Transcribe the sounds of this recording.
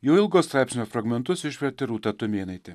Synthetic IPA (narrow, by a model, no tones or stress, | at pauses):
jɛʊɪlˠɡoːst̪ɾɑˑɪpsʲnʲoːfɾɐɡmʲɛnt̪ʊsɪʃʲʋʲɛɾʲt̪ʲɪɾuːt̪ɐt̪ʊmʲeːnɐɪt̪ʲɪ